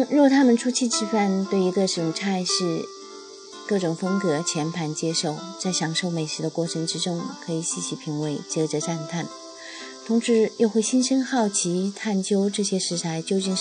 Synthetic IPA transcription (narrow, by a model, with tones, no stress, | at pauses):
ɻu˧˥ɔ˨˩t̪ʰa˥mə˨nʈ͡ʂʰu˥t͡ɕʰi˥˧ʈ͡ʂʰɻ̩˥˧fa˥˧nt̪we˥˩ɪi˧˥ɡə˧ʂɻ̩˧˩ʊ˧˩ŋʈ͡ʂʰa˥˧ɪʂɻ̩˥˧ | kɤ˥˩ʈ͡ʂʊ˨˩ŋfə˥ŋkɤ˧˥t͡ɕʰjɛ˧˥npʰa˧˥nt͡ɕjɛ˥ʂo˥˩ʊt͡sa˥˩ɪɕjɑ˨˧˥ŋʂo˥˩ʊme˨˩ɪʂɻ̩˧˥d̪ə˧kwɔ˥˩ʈ͡ʂʰɤ˧˥ŋʈ͡ʂɻ̩˥ʈ͡ʂʊ˥ŋkʰɤ˧˥i˨˩ɕi˥˩ɕi˧˩pʰi˧˥ŋwe˧˥ɪt͡ɕjɛ˧˥ʈ͡ʂɤ˧˥ʈ͡ʂa˥˧nt̪ʰa˥˩n | t̪ʰʊ˧˥ŋʂɻ̩˧˥jo˥˧ʊxwe˥˩ɪɕi˥nʂə˥ŋxɑ˥˩ʊt͡ɕʰi˧˥t̪ʰa˥˩nt͡ɕjo˥ʊʈ͡ʂɤ˥˩ɕjɛ˥ʂɻ̩˧˥t̪ʰa˧˥ɪt͡ɕjo˥ʊt͡ɕi˥˧ŋ